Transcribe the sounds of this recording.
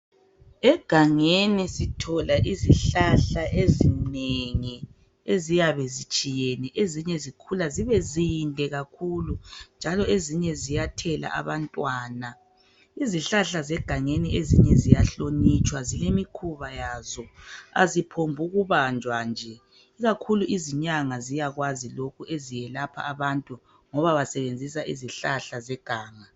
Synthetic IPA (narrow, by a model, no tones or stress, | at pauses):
ɛɡ̥ʱaŋenisitʰɔlaʔiziɬaɬaʔezineŋi | ezijaβɛzit͡ʃʼijɛnɛʔeziɲɛzikʰulaziβɛzindʱɛɣakʰulund͡ʒʱalɔeziɲɛzijatʰɛla̰ʔa̰βantʼwaːna | iziɬaɬazɛɡ̥ʱaŋeniezḭɲɛzijaɬonit͡ʃʼwazilemikʰuβajazɔa̰zipʰombʱuɣuβand͡ʒʱwand͡ʒʱɛ | iɣakʰuluʔiziɲaŋazijaɣwazilokʰuʔezijɛlapʰa̰ːβantʼu | ŋɔβaβasɛβend͡zʱis̬aʔiziɬaɬazɛɡ̥ʱaːŋa